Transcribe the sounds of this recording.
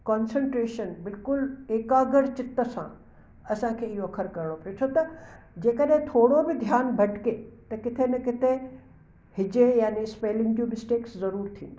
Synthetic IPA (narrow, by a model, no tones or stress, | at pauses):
kɔːnsə̃ɳʈɾeːʃənbɪlkʊleːkaːɡəɽt͡ɕɪt̪əsã̰ | ɐsãkʰeːɪɦoɐkʰəɾkɐɾɽ̃opɐjot͡ʃʰot̪ɐ | d͡ʑeːkəɗɦɪ̃t̪ʰoːɽobɪd̪ʱjaːnbʱɐʈkeːt̪ɐkɪt̪ʰenɐkɪt̪ʰe | hɪd͡ʑejaːnispeːlɪ̃ŋɡd͡ʑõmɪsʈeːkszɐɾuːɾt̪ʰĩ